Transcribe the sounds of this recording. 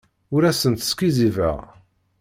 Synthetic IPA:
ʊɾæsənt̪ə̥skizivə̰ʁ

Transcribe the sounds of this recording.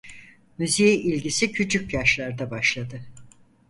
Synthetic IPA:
nyzejiʔilʲɟisicʰyt͡ʃʰycjaʃlˠaɾd̪abaʃlˠad̪ɯ

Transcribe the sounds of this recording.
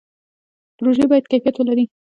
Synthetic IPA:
pɾoʒebɑjad̪̚kajfijat̪wəlaɾi

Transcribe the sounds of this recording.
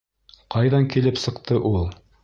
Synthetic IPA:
qɑjðɑŋkilɘpsɤ̆qt̪ɤʔulˠ

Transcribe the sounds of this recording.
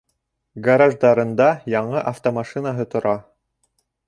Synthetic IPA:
ɡɐɾaʒd̪ɑɾɤ̆nd̪ɑjɑɴɤʔɐft̪omaʃɨnaɦɤt̪ŏɾɑ

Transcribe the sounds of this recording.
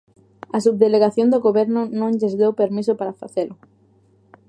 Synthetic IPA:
as̬ub̚ðeleɣaθjond̪oɣoβeɾnʊnõŋʎezðewpeɾmisopaɾafaθelʊ

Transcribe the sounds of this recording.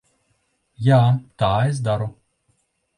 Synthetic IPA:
jaːt̪aːɛz̬d̪aɾɔ

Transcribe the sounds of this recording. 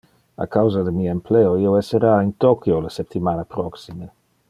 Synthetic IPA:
a̰kawzad̪emiaempleoioweseɾaint̪okjolasep̚t̪imanapɾoksime

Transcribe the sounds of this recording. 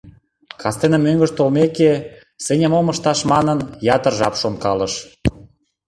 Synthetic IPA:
kɑst̪enə̆mːøŋɡəʃt̪olmeke | senʲə̆momə̆ʃt̪ɑʃmɑnənjɑt̪ərʒɑpʃonkɑləʃ

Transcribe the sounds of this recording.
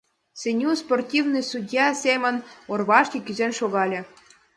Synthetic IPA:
sʲenʲusportʲivnɨsudʲjɑsʲemʲə̆norβɑʃkʲikʲyzenʃoɣɑlʲĕ

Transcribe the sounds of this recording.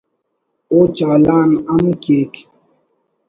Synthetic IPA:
ot͡ʃaːlaːnamukeːk

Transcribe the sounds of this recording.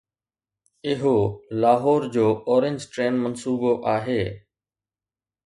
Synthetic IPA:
ɪɦoːlaːɦoːɾd͡ʑoːoːɾɪ̃ɲd͡ʑʈɾeːnmənsuːboʔaːɦeː

